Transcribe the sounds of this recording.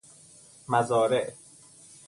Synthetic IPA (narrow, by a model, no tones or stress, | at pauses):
mæzɒːɾeʔ